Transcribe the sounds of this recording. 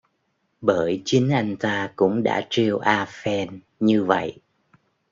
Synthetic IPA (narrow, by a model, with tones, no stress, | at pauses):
ɓəː˧˩jt͡ɕï˨˦ŋ̟ʔa˧jŋ̟t̪aː˧kʊ̰˧˥ŋ͡mɗa̰ː˧˥t͡ɕi˧əwʔaː˧fɛ˧n | ɲɨ˧və̰˧˨jʔ